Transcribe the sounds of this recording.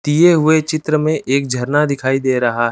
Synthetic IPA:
t̪ijeɦʊet͡ʃɪt̪ɾəmẽʔeːk̚d͡ʒʱɐɾnad̪ɪkʰaːid̪eːɾɐɦaɦ

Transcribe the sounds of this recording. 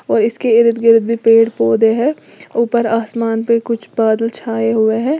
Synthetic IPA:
ɔːɾɪskeɪɾɪt̪ɡɪɾɪd̪̚bʱipeːɽpoːd̪eɦɛːuːpəɾaːsmaːnpekʊt͡ʃʰbaːd̪əlt͡ʃʰaːeɦʊeɦɛ̃ː

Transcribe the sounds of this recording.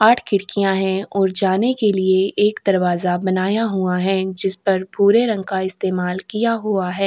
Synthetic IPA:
aːʈʰkɪɽkijãɦɛ̃ɔːɾd͡ʒaːnekelieeːkd̪ɐɾʋaːzabɐnaːjaɦuaɦɛ̃d͡ʒɪspɐɾpuːɾeɾɐ̃ŋɡkaɪst̪eːmaːlkijaɦuaɦɛː

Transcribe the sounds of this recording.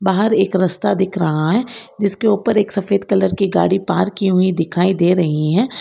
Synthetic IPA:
baːɦəɾeːkɾɐst̪ad̪ɪkʰɾɐɦaɦɛːd͡ʒɪskeuːpəɾeːksɐfeːd̪kɐləɾkiɡa̰ːɽipaːɾkiɦʊid̪ɪkʰaːid̪eːɾɐɦiɦɛ̃ː

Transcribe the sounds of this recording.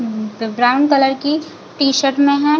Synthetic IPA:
bɾaːʊ̃ɳɖkɐləɾki | ʈiːʃəɾʈmẽɦɛ̃

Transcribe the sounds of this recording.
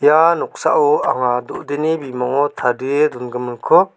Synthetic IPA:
janɔk̚sa̰ʔɔa̰ŋadɔʔd̪enibimaŋɔtʰadɯedɔnɡɯmɯnkʰɔ

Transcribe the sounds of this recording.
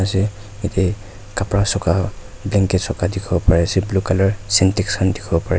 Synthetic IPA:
asɛ | etɛ | kapɹasɔka | blɛŋkɛtsɔkadikʰɔbɔpaɹɛasɛblukalɔɹsɛntɛkskʰandikʰɔbɔpaɹɛ

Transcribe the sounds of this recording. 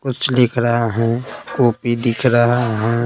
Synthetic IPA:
kʊt͡ʃʰlɪkʰɾaɦaɦɛ̃koːpid̪ɪkʰɾɐɦaaɦɛ̃ː

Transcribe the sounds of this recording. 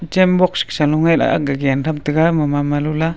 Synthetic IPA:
t͡ʃembokʃkʃaluŋela̰ʔa̰ɡaɡenɾamt̪əɡamamamalula

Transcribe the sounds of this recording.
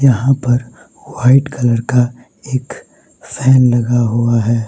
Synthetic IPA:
jɐɦãpɐɾ | waːɪʈkɐləɾka | eːk | fɛːnlɐɡaɦuaɦɛː

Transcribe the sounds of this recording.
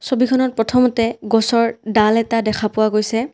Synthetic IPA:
sobikʰɔnɔt̚pɹɔtʰɔmɔtɛɡɔsɔɹdalɛtadɛkʰapʊwaɡojsɛ

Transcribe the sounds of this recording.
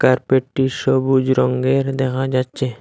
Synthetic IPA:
kaɾpeʈːiʃobud͡ʑɾɔŋɡeɾd̪ɛkʰad͡ʑatːɕʰe

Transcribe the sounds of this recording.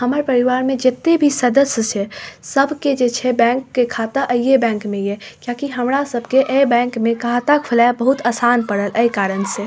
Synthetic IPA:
ɦəməɾpəɾiʋaːɾmẽd͡ʒet̪ːebʱisəd̪əsjət͡ʃʰəsəbʱked͡ʒet͡ʃʰɛbɛ̃ŋkːekʰat̪əʔəjebɛ̃ːŋkmẽjekjakiɦəmɾasəbʱkeʔəbɛ̃ŋkmẽkaɦt̪akʰəlabəɦut̪aːsaːnpəɽələikaɾənse

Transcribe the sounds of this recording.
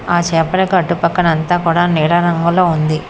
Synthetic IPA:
aːt͡ʃeːpɐɽɐkɐʈːupɐkːɐnɐnt̪aːkuːɽaːnɛːɾɐɾɐŋɡuloːund̪i

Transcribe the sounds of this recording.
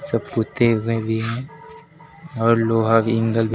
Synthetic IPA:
səpːut̪eʋẽbʱiɦɛ̃ | ɔːɾloːɦaʋɪ̃ŋɡəlbʱ

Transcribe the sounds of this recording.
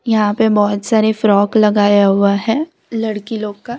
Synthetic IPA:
jɐɦãpebɔːt̪saːɾefɾɔːklɐɡaːjaɦʊaɦɛ̃ː | lɐɽkiloːɡkaː

